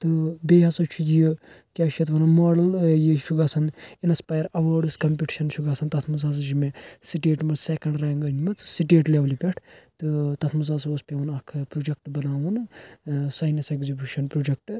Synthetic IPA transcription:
t̪ɨbeːɦɐsɨt͡ʃʰujikʲaːʃɐt̪ʋɐnɐmaːɖɐljiʃʰuɡaːsɐninspaːjɐɾɐʋɐːɖɨskɐmpʲiʈi̥ʃɐnʃʰuɡaːsɐnt̪ɐt̪ʰmuzaːs̬ɨd͡ʒimesiʈeːʈmɐɾsekɐɳɖɾaːŋɡɐnʲimɨt͡ssiʈeːʈleːʋlipʲeʈʰt̪ɨt̪ɐt̪ʰmɨzaːs̬ospʲeʋunɐkʰpɾoːd͡ʒɐk̚ʈbɐnaːʋɨn | saːjnɐseɡzibʲjuːʃɐnpɾoːd͡ʒɐk̚ʈ

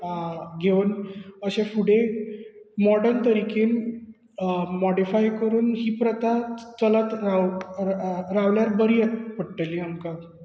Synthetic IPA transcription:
ɡʱeʋnəɕẽfuɽe | mɔɽəɾnt̪əɾikiːn | mɔɽifajkəɾuːnɦiːpɾət̪at͡sələt̪ɾa | ɾaʋljaɾbəɾijet̪̚pəɽʈeliamka

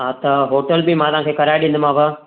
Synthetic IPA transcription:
ɦaːt̪ɐɦoːʈəlbɪmãt̪ɐɦãkʰeːkɐɾaːjɗĩːn̆d̪ɪmãːʋə

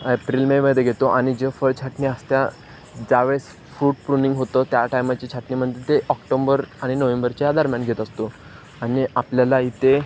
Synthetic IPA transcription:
epɾiːlmeməd̪ʱeɡʱet̪oʔaɽ̃id͡ʑefəɭt͡ɕʰaʈniəst̪ja | d͡zaʋes | fɾuːʈ̚pɾuniŋɡɦot̪ət̪jaʈajmat͡ɕit͡ɕʰaʈnim̤əɖ̪d͡ʑet̪eʔɔkʈombəɾaɽ̃inəʋembəɾt͡ɕajad̪aɾmjanɡʱet̪əst̪o | aɽ̃iapljalait̪e

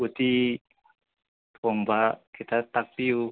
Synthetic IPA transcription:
ut̪i | bɔŋbakit̪at̪ak̚piu

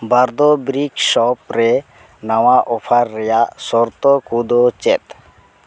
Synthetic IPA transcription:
baɾd̪ɔbɾikʃɔpɾɛ | nawaʔɔpʰaɾːɛjaʔsɔɾt̪ɔkud̪ot͡ʃɛt̪

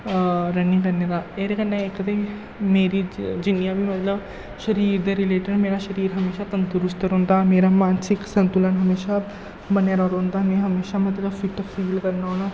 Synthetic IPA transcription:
ɾənĩkəɾned̪aːeɾekənːãɪkːd̪e | meːɾiːd͡ʒɪnijãːbiːmət̪ləb | ʃəɾiːɾd̪eɾɪleːʈəɳmeːɾaːʃəɾiːɾɦəmeːʃaːt̪ənt̪ʊɾʊsʈ̪əɾɦõːnd̪aːmeːɾaːmaːnsɪksə̃nt̪ʊlənɦəmeːʃaː | bənjaɾaːɾɦʊ̃nd̪aːmɛ̃ːɦəmeːʃaːmət̪ləbfɪʈəfiːlkəɾnaːɦoːɽ̃aː

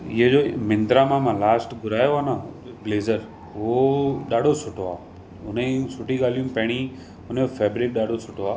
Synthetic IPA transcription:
id͡ʒoːmɪ̃nd̪ɾamãmãlaːsʈɡʊɾaːjoaːnableːzəɾ | ʋoɗaːɽosʊʈoaː | ʊnesʊʈiɡaːlijũpɛːɽ̃i | ʊnofeːbɾɪk̚ɗaːɽosʊʈoaː

